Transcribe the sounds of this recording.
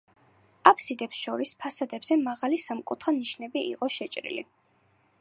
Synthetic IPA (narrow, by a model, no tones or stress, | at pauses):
apʰsid̪ɛpsʃɔɾispʰasad̪ɛbz̥ɛmaʁalisamkʼut̪ʰχaniʃnɛbiḭqʼɔʃɛt͡ʃʼɾḭlḭ